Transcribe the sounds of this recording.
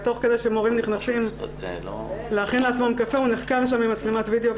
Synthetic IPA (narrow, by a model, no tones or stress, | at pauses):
t̪o̞χked̪ejʃemoʁimniχnasim | leaχinleat͡smamkafeuniχkavʃ̬amimat͡slemat̪vid̪eo